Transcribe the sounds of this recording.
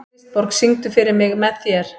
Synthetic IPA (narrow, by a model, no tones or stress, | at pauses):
pɔɾksiŋt̪ʏfɪɾɪɾmɪɣmɛðθjɛɾ̥